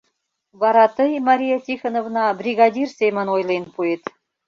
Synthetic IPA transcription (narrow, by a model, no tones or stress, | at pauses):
βɑɾɑt̪ɤ̆jmɑɾʲijɑt̪ʲixə̆novnɑbrʲiɣɑd̪ʲirsejmə̆nojlˠenpuet̪